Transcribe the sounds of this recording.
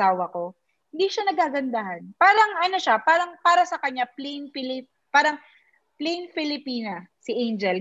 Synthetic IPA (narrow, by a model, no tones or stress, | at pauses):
aːwɐko̞ | hɪnd̪iːʃanɐɡaːɡɐnd̪ahɐnpaːɾɐŋɐno̞ʃapaːɾɐŋpaːɾɐsɐkɐɲːaplɛjŋfɪlip | paːɾɐŋ | plɛjŋfɪlɪpiːnɐsɪʔejnd͡ʒɛl